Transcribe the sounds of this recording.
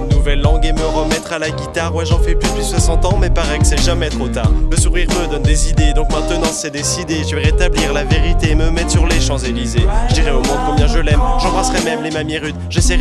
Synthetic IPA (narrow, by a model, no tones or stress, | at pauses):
nuvɛlːɑ̃ɡeməʁəmɛt̪χalaɡʲit̪aʁwɛʒɑ̃fɛplyd̪əpɥiswasɑ̃t̪ɑ̃mɛpaʁɛkə̥sɛʒamɛt̪χot̪aːʁləsuʁiʁməd̪ɔnd̪ezid̪ed̪ɔ̃kmɛ̃t̪ənɑ̃sɛd̪ezid̪eʒəvɛʁet̪abliʁlaveʁit̪eːməmɛt̪syʁleʃɑ̃zelizeʒəd̪iʁɛomɔ̃d̪kɔ̃bjɛ̃ʒəlɛmʒɑ̃bʁasʁɛmɛmlemamjiʁyd̪ʒesɛʁ